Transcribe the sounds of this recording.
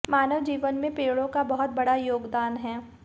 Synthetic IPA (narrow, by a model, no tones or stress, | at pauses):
maːnəʋd͡ʒiːʋənmẽpeːɽõkabɐɦʊt̪̚bɐɽajoːɡd̪aːnɦɛː